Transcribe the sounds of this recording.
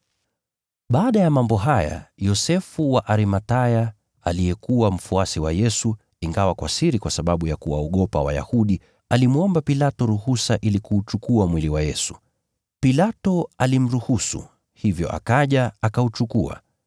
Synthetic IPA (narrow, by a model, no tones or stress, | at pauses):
ɓaːɗajamambɔɦaja̰jɔsɛfuwaʔaɾimataja | aliɛkuwam̩fuasiwajɛsu | iŋɡawakwa̰siɾikwasaɓaɓujakuwa̰ɔɠɔpa̰wa̰ja̰huɗi | alimwɔmbapilatɔɾuhusaʔilikuːt͡ʃukuamwiliwajɛsu | pilatɔalim̩ɾuhusṵ | hivjɔ̰ʔa̰kaʄaakaut͡ʃukua̰